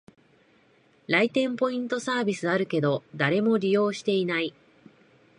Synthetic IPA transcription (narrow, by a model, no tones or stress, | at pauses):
ɾait̪ẽ̞mpo̞ĩnt̪o̞saːbʲisɨaɾɯ̟ke̞d̪o̞d̪aɾe̞mo̞ɾʲijo̞ːɕi̥t̪e̞inai